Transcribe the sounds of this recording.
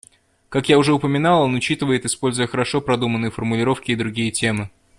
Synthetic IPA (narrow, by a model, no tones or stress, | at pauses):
kakjaʊʐɛʊpəmʲɪnalˠonʊt͡ɕit̪ɨvəjɪt̪ɪspo̞lʲzʊjəxəɾɐʂo̞pɾɐd̪umənːɨjəfərmʊlʲɪɾo̞fkʲɪːd̪ɾʊɡʲijətʲe̞mɨ